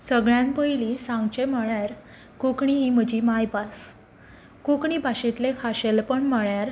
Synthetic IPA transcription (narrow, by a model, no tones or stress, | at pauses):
səɡɭjãmpəjlisãŋɡt͡ɕeməɭjaɾ | kukɳ̃iɦim̤əd͡ʑiːmajbas | kukɳiːbʱaɕit̪lekʰaɕelpəɳməɭjaɾ